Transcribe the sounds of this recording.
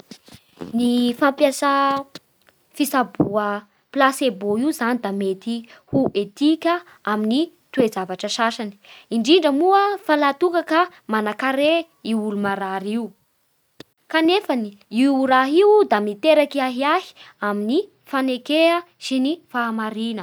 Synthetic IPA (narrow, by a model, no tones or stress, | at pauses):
nifampjasa | fisabuə | plaseboiuzanid̪amet̪ihuʔet̪ikʲə | amini | t̪ued͡zavaʈ͡ʂəsaʃani̥iɳɖ͡ʐiɳɖ͡ʐəmuəfalat̪ukakə | manakaɾe | iulumaɾaɾiu | kanefaniiɾaɦiwd̪amit̪eɾakiaɦiaɦi̥amini | fanekeə | sinifaamaɾinə